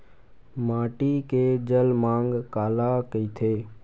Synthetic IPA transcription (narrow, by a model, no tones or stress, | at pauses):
maːʈikeːd͡ʒəlmãːŋɡkaːlakəiːt̪ʰeː